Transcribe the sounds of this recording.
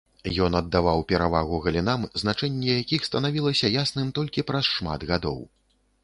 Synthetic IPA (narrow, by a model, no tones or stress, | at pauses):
jɔnɐd̪ːavawpʲɛɾavaɣuɣɐlʲinamznat͡ʂɛnʲːɛjakʲixst̪ɐnavʲilˠɐsʲɐjasnɨmt̪ɔlʲkʲipɾɐsʂma̰d̪ɣad̪ɔ̰w